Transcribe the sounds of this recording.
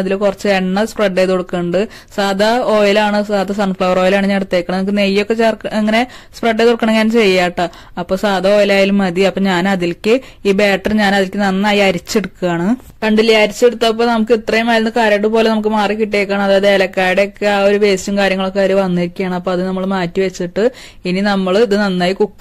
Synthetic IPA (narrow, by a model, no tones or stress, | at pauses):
ɐðilkurɐt͡ɕːɨeɳːɐspreɖːeːðoɽukːɐɳɖɨ | saːd̪ʱɐoːjɐlaːɳɨsaːd̪ʱɐsɐnfɭɐwɐroːjɐlaːɳɨɲaːneɽut̪ːeːkːɐɳnɐmukːɨne̞jːo̞kːet͡ɕerkeŋːɐnespreɖːeːðoɽukːɐɳeŋːaːnmt͡ɕe̞jːaːʈːɨ | ɐpːo̞ːsaːd̪ʱɐo̞ːjɐlaːjilmɐd̪iɐpːoːɲaːnɐðilkʲːɨ | iːbeːʈːɐrɲaːnɐðilkːɨnɐnːaːjiɐɾit͡ɕːeɽukːuaːɳɨ | kɐɳɖilːijɐɾit͡ɕːeɽut̪ːɐp̬ːoːnɐmukːɨit̪rɐjumaːjiɾinːɨkaːɾɐʈ̬ːɨpo̞ːle̞nɐmuk̬ːɨmaːrikiʈːekːaːɳɐmɐðaːɐðeːlɐkːaːjiɽeokːeaːo̞ɾuʋe̞ːsjɐmkaːɾjɐŋːɐɭo̞kːeaːɾuʋɐnːiiɾikʲːujaːɳɨɐpːoːɐðɨnɐmːɐɭmaːtːiʋet͡ɕːiʈːɨ | ininɐmːɐɭiðɨnɐnːaːjikukː